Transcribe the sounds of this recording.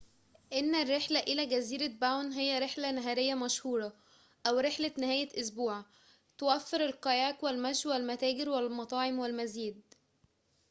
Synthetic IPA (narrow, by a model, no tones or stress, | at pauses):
ʔenːærːeħlæʔɪlæɡæziːɾæbawnɦejːæɾeħlænæɦæːɾɪjːæmæʃhuːɾˤɑ | ʔæwɾeħlænɪhæːjæʔʊsbuːʕ | t̪owæfːeɾelqɑjæːkwælmæʃwælmæt̪æːɡɪɾwælmɑt̪ˤɑːʕemwælmæziːd̪̚